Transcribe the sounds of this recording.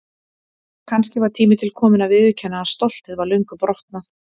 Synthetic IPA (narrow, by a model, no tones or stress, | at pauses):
kʰanscɪvaɾ̥t̪ʰiːmɪt̪ʰɪlkʰɔːmɪnavɪðvʏcʰɛnːaast̪owl̥t̪ɪðvaɾlœɥŋkʏpɾɔht̪naθ